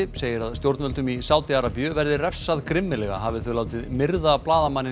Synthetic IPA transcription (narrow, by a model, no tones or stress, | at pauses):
ɪseːjɪɾaðst̪jowɾt̪nmœlt̪ʏmisaːwt̪ɪaɾapjʏvɛɾðɪrɛfsaðkɾɪmːɪlɛɣa̰ɦaːvɪθʏlaːwt̪ɪðmɪɾðaplaːðamanːɪ